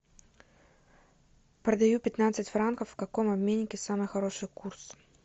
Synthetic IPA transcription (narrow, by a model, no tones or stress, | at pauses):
pɾəd̪ɐjupʲɪt̪nat̪sɨtʲfɾankəfːkɐkomɐbmʲenʲːɪkʲɪsamɨjxɐɾo̞ʂɨjkurs